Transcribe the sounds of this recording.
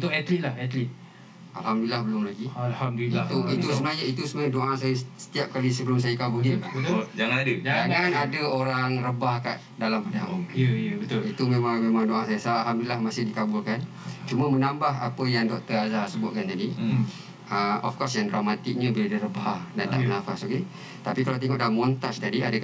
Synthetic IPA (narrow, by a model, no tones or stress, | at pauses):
ut̪ʊʔɛt̪lit̪lahɛt̪lit̪̚ | a̰lhamdulilahbəlʊmlaɡialhamdit̪uit̪usəmnajait̪usəmnaɲadoaʔasajasə̥t̪iap̚kalisəbəlʊms̬ajakabuldiəbət̪ʊd͡ʒaŋanadəd͡ʒd͡ʒaŋanadəoɾaŋrəbahka̰ʔ | dalampanaaʔuŋjbət̪oit̪umẽmãŋmẽmãŋdoasajasaalɦamdulilahmasɪhdikabʊlkan | t͡ʃumə̃mənambaɦapəjaŋdɔk̚t̪əɾazahsəbʊt̪̚kant̪adi | əɔ̰fkɔsjandramat̪ɪk̚ɲə̃biladirəbaahdant̪a̰ʔənafasaɡe | t̪apikalawt̪eŋɔʔdalamːɔ̃nt̪ad͡ʒt̪adiadə